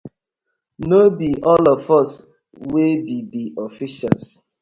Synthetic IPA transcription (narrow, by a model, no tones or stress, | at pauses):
nobiʔɔlɔfɔs | webidiʔɔfiʃa̰ls